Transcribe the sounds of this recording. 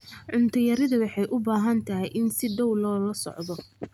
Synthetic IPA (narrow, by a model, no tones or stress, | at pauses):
ʕʊnt̪ʰɐjɐɾɪðɐwɑħɑjʔʊbaːɦɐnt̪ʰɐɦɛjʔɪnsɪɖɐwlɔːlɐsɔ̰ʕd̪ɔ